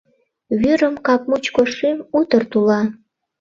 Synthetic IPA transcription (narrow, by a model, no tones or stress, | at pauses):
βyɾəmkɑp̚mut͡ɕkoʃimut̪ərt̪ulɑ